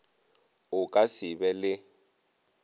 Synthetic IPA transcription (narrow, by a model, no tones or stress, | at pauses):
ʊkʼasɪbɛlɪ